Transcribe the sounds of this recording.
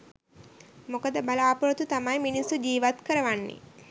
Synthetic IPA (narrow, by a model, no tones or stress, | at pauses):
mokəd̪əbalaːpuɾot̪ut̪amajminisːud͡ʒiːʋat̪kəɾəʋanːḛ